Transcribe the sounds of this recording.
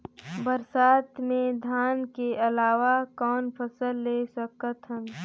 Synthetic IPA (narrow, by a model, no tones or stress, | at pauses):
bəɾsaːt̪mẽd̪ʱaːnkeʔɐlaːʋakɔːnpʰəsəlːesəkət̪ɦən